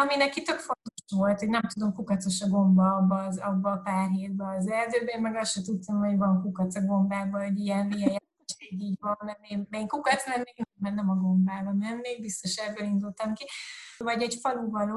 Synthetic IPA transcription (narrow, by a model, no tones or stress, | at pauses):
ɒminɛkit̪økfo̞nt̪o̞ʃʋo̞lt̪ho̞ɟnɛmt̪ud̪o̞mkukɒt̪t͡so̞ʃɒɡo̞mbɒɒbːɒːzɒbːɒːpaːrɦeːd̪bɛːzɛld̪øːbɛeːmmɛɡɒsʃɛt̪ut̪ːɒmho̞ɟvɒŋkukɒt̪sɒɡo̞mbaːbɒɛɟijɛnvijɛja | eːɡiːɟvɒmnɛmeːmeːŋkukɒt̪smɛrmeːɡnɛmɛrnɛmɒɡo̞mbaːbɒmɛnːeːɡ̚bist̪o̞ʃɛbølind̪ult̪ɒmkivɒɟɛɟfɒluvɒloː